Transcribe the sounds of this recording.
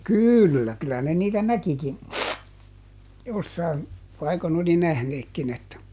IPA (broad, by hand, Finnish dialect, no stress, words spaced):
kyˑlːæ kylæ ne niːtæ nækikin josːɑin pɑikon oli næhneːkːin etːæ